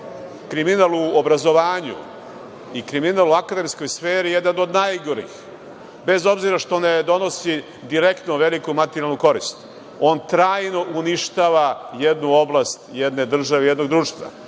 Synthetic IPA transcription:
kɾiminalˠuobɾazo̞ʋaːɲṵ | ikɾiminalˠuakad̪e̞msko̞jsfeːɾijed̪nanod̪najɡo̞ɾḭx | be̞zo̞bziɾaʃt̪oned̪o̞no̞si | d̪iɾe̞kt̪noʋe̞likumat̪eɾjalnuko̞ɾist̪ | o̞ːnt̪ɾaːjno̞ʔuniʃt̪aːʋajed̪nuo̞blast̪jed̪ne̞d̪r̩ʒaʋejed̪noɡd̪ɾuːʃt̪ʋa̰

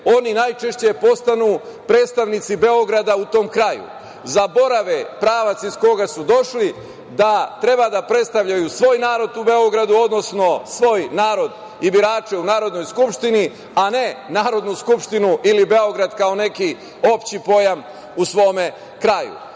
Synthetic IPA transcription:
o̞ninajt͡ʃe̞ʃt͡ɕe̞po̞st̪anuː | pɾe̞ːt̪st̪aʋnit̪sibe̞o̞ɡɾad̪aut̪o̞ːmkɾajṵ | zabo̞ɾaʋepɾaːʋat̪sisko̞ɡasud̪o̞ʃli | d̪at̪ɾe̞bad̪apɾe̞t̪st̪aʋʎajusʋo̞ːjnaːɾo̞d̪ube̞o̞ɡɾad̪uo̞d̪no̞sno̞sʋo̞ːjnaːɾo̞d̪ | ibiɾaːt͡ʃe̞unaːɾo̞d̪no̞jskupʃt̪ini | ane̞naːɾo̞d̪nuskupʃt̪inuʔilibe̞o̞ɡɾad̪kao̞ne̞ki | o̞pt͡ɕipo̞jam | usʋo̞ːme | kɾajṵ

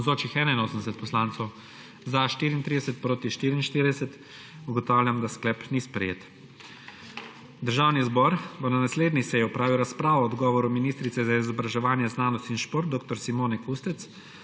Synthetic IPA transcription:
zoːt͡ʃixɛːnainoːsənd̪ɛsɛt̪pɔslaːntsɔw | zaʃt̪iːɾint̪ɾid̪ɛsɛt̪̚pɾoːt̪iʃt̪iːɾinʃt̪iːɾid̪ɛsɛt̪ | uɡɔt̪aːwlʲjamd̪asklɛpnispɾɛjḛt̪ | d̪əɾʒaːwnizbɔɾbonanasleːd̪nisɛjɛɔpɾaːʋiwɾaspɾaːʋɔɔd̪ɡɔːʋɔɾuminiːst̪ɾit̪sɛzaizɔbɾaʒɛʋaːnjɛznaːnɔst̪inʃpoːɾt̪̚d̪oːk̚t̪ɔɾsimoːnɛkust̪ɛt̪s

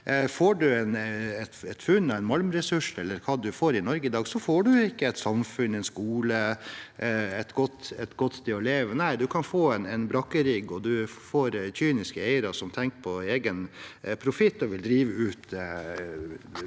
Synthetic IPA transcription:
foːɖʉɛnɛt̪ɛt̪fʉnːɔɛɪnmɑlmɾɛsʉʂɛlːəɾkʰɑːd̪ʉfoːɾɪnɔɾɡəɪd̪ɑːɡsɔfoːɖʉɪkːəɛɪt̪sɑmfʉnɛɪnskuːlə | ɛt̪ɡɔt̪ːɛt̪ɡɔt̪ːt̪ʰɪɔleːʋənæɪd̪ʉkʰɑnfoːɛnɛnbɾɑkːəɾiːɡɔd̪ʉfoːɾçyːnɪskəæɪəɾɑsɔmt̪ʰɛŋkpʰɔeːɡənpʰɾʊfɪt̪ːɔʋɪld̪ɾiːʋəʉːt̪

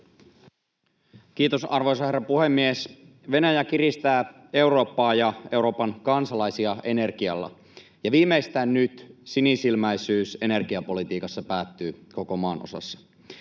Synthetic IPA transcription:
k̟iːt̪o̞sɑrʋo̞js̬ɑherːɑpuhemːies | ʋe̞næjækirist̪æː | e̞wɾo̞ːpːɑːjɑe̞wɾo̞ːpɑnkɑnsɑlɑjsiɑʔe̞ne̞rkiɑ̰lːɑ̰ | jɑʋiːmːeist̪æːnnyt̪sinisilmæjsyːse̞ne̞rɡ̥iɑpo̞lit̪iːkɑsːɑpæːt̪ːyːko̞ko̞mɑːno̰sɑ̰sːɑ̥

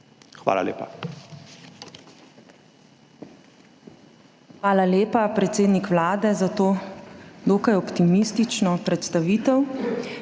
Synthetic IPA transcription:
xʋa̰ːla̰lḛːpa̰ | xʋaːlaleːpapɾɛt̪seːd̪nikʋlaːd̪ɛzat̪oːd̪oːkajɔpt̪imist̪it͡ʃnɔpɾɛt̪st̪aʋiːt̪ɛw

